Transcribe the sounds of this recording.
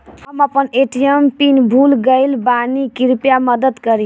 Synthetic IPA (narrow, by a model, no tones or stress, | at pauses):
həməpəneʈijempinbʱulɡəɪlbanikiɾpjaməd̪əd̪kəɾi